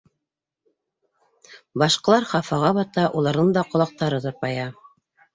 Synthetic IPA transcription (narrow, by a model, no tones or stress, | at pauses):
bɑʃqɤ̆lˠɑɾχɑfɑʁɑβɑt̪ɑʔulˠɑɾðɤɴd̪ɑqŏlˠɑq̚t̪ɑɾɤt̪ŏɾpɑjɑ